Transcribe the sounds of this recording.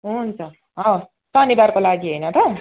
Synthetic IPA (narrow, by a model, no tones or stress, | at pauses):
ɦunt͡sʰʌ | ɦʌws | sʌnibarkolaɡiɦojnʌt̪ʌ